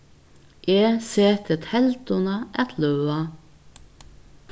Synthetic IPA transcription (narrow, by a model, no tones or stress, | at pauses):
ʔeːseːt̪ʰət̪hɛlt̪ʊnɑʔɛt̪ʰlœʉɑ